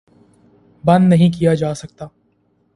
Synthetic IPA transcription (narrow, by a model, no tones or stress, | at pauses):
bɐ̃nd̪nɐɦĩk̬ijad͡ʒaːsɐk̚t̪aː